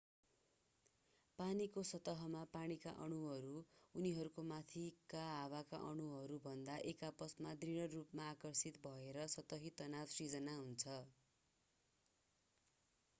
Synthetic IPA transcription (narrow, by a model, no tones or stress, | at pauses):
panikosʌt̪ʌɦʌmapaɽ̃ika̰ʔʌɽ̃uɦʌɾuːniɦʌɾukomat̪ʰikaɦawaka̰ʔʌɽ̃uɦʌɾubʱʌnd̪aʔekapʌsmad̪riɽ̃ʌrupmaːkʌrsit̪bʱʌeɾʌsʌt̪ʌɦit̪ʌnawsid͡zʌnaɦunt͡sʰʌ